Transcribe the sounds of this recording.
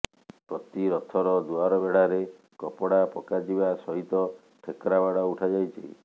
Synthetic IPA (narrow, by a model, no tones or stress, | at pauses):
pɾɔt̪iɾɔt̪ʰɔɾɔd̪uaɾɔbeɽaɾe | kɔpɔɽapɔkad͡ʒibasɔɦit̪ɔ | ʈʰekɾabaɽɔuʈʰad͡ʒajt͡ʃʰḭ